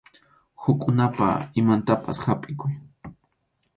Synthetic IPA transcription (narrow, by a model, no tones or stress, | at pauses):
hʊkʼʊnapa̰ɪmant̪apa̰shapʼɪkʊj